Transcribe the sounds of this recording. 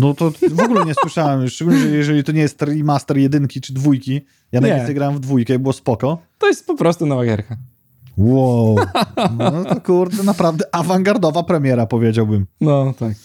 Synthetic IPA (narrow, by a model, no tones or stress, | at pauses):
nɔt̪ɔvɔɡulɛɲɛswɘʂawɛmʂt͡ʂɛɡulɲɛɛjɛʐɛlʲit̪ɔɲɛjɛst̪ːɾimast̪ɛɾjɛd̪ɘŋkʲit͡ʂɘd̪vujkʲi | janajʲɛnɛjɡɾawɛmɱvd̪vujkɛibɘwɔspɔkɔt̪ɔjɛst̪̚pɔpɾɔst̪unɔvaɡʲɛ̰ɾka | wownɔt̪ɔkuɾd̪ɛnapɾavd̪ɛʔavaŋɡaɾd̪ɔvapɾɛmʲjɛɾapɔvʲjed͡ʑawbɘmnɔt̪ak